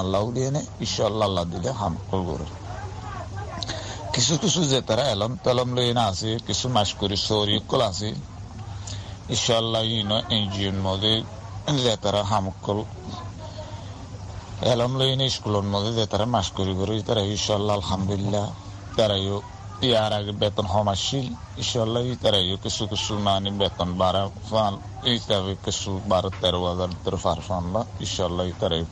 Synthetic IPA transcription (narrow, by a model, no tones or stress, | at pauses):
alːaulijeneiʃalːaːlːad̪ileɦamɔkːɔlɡɔ̰ɾṵɾ | kisʰukisʰuzɛt̪aɾaɛlɔmt̪ɛlɔmlojenasikisʰumaʃkuɾisɔɾijɔkːɔlasi | iʃaalːajinɔʔend͡ʒijunmɔzi | zɛt̪aɾaɦamɔkːɔl | ɛlɔmloineiskulɔnmɔd̪ezɛt̪aɾamaʃkɔɾikɔɾoit̪aɾajiʃalːaalhamd̪ulilːa | t̪aɾajo | ijaɾaɡebɛt̪ɔnɦɔmaʃil | iʃalːajit̪aɾajokisukisumanibɛt̪ɔnbaɾa | fan | it̪aβekisubaɾɔt̪ɛɾɔwazaɾit̪ːɔɾɔfaɾfanlaiʃalːajit̪aɾaju